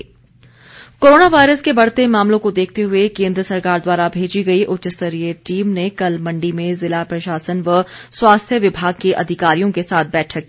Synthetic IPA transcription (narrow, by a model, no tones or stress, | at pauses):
koːɾoːnaʋaːɪɾəskebɐɽ̤t̪emaːmlõkod̪eːk̚ʰt̪eɦʊekẽːnd̪ɾəsɐɾkaːɾd̪waːɾabʱeːd͡ʒiɡɐiʔʊtːt͡ʃəst̪əɾieʈiːmnekɐlmɐ̃ɳɖimẽzɪlapɾɐʃaːsənʋəswaːst̪ʰjəʋɪbʱaːɡ̚keʔɐd̪ʱɪkaːɾijõkesaːt̪̚ʰbɛːʈʰəkːi